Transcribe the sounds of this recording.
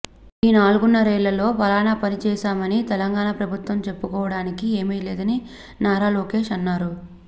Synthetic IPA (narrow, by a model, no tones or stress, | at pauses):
iːnaːluɡunːɐɾɛːɭːɐlo̞ːpɐlaːnaːpɐnit͡ʃɛːʃaːmɐnit̪ɛlɐŋɡaːɳaːpɾɐbʱut̪ʋɐmt͡ʃe̞pːukɔːʋɐɽaːnikie̞ːmɐjleːd̪ɐni | naːɾaːloːke̞ːʃɐnːaːɾu